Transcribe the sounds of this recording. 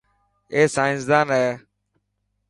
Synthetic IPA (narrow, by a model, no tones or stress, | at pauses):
eːsãːɪ̃nsd̪aːnɦeː